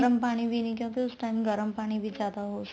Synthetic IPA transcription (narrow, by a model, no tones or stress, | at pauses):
ɾəmpaɽ̃ibʱinikʲũkiusʈamɡəɾəmpaɽ̃ibʱiːd͡zad̪aɦos